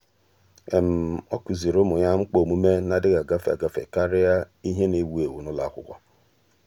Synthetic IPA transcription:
e˨m̩˨ɔ˦ku˨zi˨ɾo˦mʊ˨ɲa˦ŋ͡m̩˦k͡po˨mu˦me˦na˨dɪ˦ɡa˨ɡa˦fa̰˨ɡa˨fḛ˨ka˦ɾɪ˦ja˦ | i˦ɦe˦ni˨wu˨˦e˨wu˨nʊ˦la˨˦kʷʊ̰˦kʷɔ̰˦

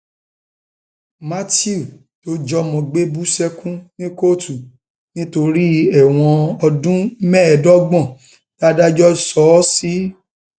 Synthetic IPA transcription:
ma˦ti˦u˨ | to˦d͡ʒɔ˦mɔ̃˧ɡ͡be˦bu˦sɛ˦kũ˦nĩ˦ko˦˨tu˨ | nĩ˦to˧ɾi˦ɛ˦˨w̃ɔ̃˧ɔ˧dũ˦mɛ̃˦˨dɔ˦ɡ͡bɔ̃˦˨ | d̥a˦da˦d͡ʒɔ˦sɔ˨˦si˦

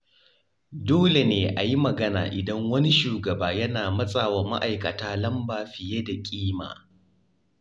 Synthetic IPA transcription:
doː˦le˨neː˨ʔa˨ji˦mɐ˨ɡɐ˦na̰ː˨ʔɪ˨dɐ˦ŋwɐ˦ni˦ʃuː˨ɡɐ˨baː˦jɐ˦naː˨mɐ˦sʼaː˨wa˨ma̰˦ʔa˨jkɐ˨taː˦lɐ˦mbaː˨ɸɪ˨je˦da˨kʲʼiː˦ma̰ː˨

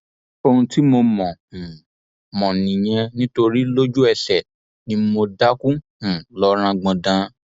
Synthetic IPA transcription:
o˧ũ˧ti˦mo˧mɔ̃˨ | mɔ̃˨nĩ˨j̃ɛ̃˧nĩ˦to˧ɾi˦lo˦d͡ʒu˦ɛ˧sɛ˨ | nĩ˦mo˧da˦kũ˦˨ | lɔ˦ɾ̃ã˧ɡ͡bɔ̃˧dã˧

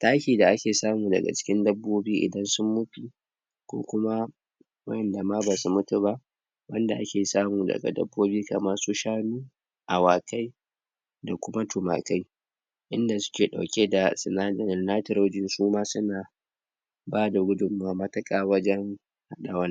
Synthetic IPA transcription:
taː˦kʲiː˨da˨ʔa˦kʲeː˨saː˦muː˨dɐ̰˨ɡa̰˨t͡ʃɪ̥˦kʲɪ˦ndɐ˦bːoː˦biː˦ʔɪ̰˨dɐ˦nsʊ˦mːʊ˦ɸi˨ | kʷo̰ː˦kʷʊ˦ma˦ | wɐ˦jɛ˨nda˨maː˦ba˨su˨mʊ˦tu˨ba˦ʔ | wɐ˦nda˨ʔa˦kʲeː˨saː˦muː˨dɐ̰˨ɡa̰˨dɐ̰˦bːoː˦biː˦ka˨mɐ˦rsu˦ʃaː˦nuː˦ | ʔa˨waː˨ka˦j | da˨kʷʊ˦ma˦tʊ˨ma̰˨ka˦j | ʔɪ˦nda˨sʊ̥˦kʲeː˨ɗa̰˨wkʲe˦da˨sɪ˨naː˦d͡ʒɐ˨nɪ˨nnaː˦tɪ˨ɾo˦d͡ʒɪ˨nsuː˦maː˦sʊ˦naː˨ | baː˦da˨ɡʷʊ˦dʊ˨mːaː˨mɐ˦tɐ˦kʼaː˦wɐ˦d͡ʒɛ˦ŋ | ha˦ɗa˨wɐ˦n˦

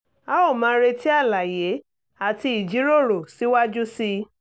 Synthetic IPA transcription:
a˦o˦˨mãː˨˧˦ɾe˧ti˦a˦˨la˨je˨˦ | a˨ti˧i˨d͡ʒi˨˦ɾo˦˨ɾo˨si˨˦wa˦d͡ʒu˦si˧

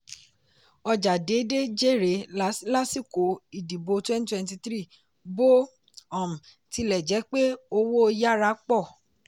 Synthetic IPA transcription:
ɔ˧d͡ʒa˨de˨˦de˦d͡ʒe˦˨ɾe˨˦la˦sla˦si˦˨ko˨˦i˨di˨bo˧twɛ̃˦ni˦twɛ̃˦nti˧t̪ɾi˦˨ | bo˦ | ɔ̃˨m̩˨ | ti˨˦lɛ˨d͡ʒɛ˨˦k͡pe˦o˧wo˦˧ja˦ɾa˧˦k͡pɔ˦˨

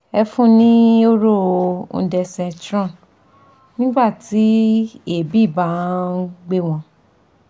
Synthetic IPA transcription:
ɛ˧fũ˦nĩ˦o˦ɾõ˦˨˧dɛ˧sɛ̃˧tɾɔ̃˦˨ | nĩ˦ɡ͡ba˦˨ti˨˦e˦˨bi˦˨ba˨˦ɡ͡be˦w̃ɔ̃˧

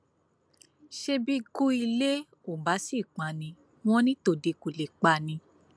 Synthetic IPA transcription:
ʃe˧bi˦ku˦i˧le˦ | o˨ba˨˦si˦˨k͡pã˨nĩ˧ | w̃ɔ̃˦nĩ˦to˧˨de˧ku˨le˨k͡pa˧nĩ˧

